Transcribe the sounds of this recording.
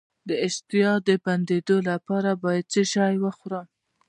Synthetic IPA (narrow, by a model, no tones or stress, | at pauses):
d̪əɪʃt̪ɪjɑd̪əband̪ed̪olapɑɾabɑjad̪̚t͡səʃɑjwəxɾam